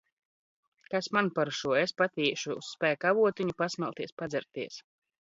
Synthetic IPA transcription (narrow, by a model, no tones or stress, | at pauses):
kasmanpaɾʃuɔespat̪iːʃṵːsːpæːkavuɔt̪iɲupasmɛlˠt̪iɛspad̪zɛɾt̪iɛs